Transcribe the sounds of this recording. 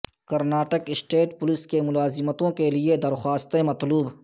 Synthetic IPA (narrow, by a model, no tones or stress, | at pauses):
kɐɾnaːʈəkɪsʈeːʈpʊlɪskemʊlaːzɪmət̪õkelied̪ɐɾxaːst̪ẽmɐt̪luːb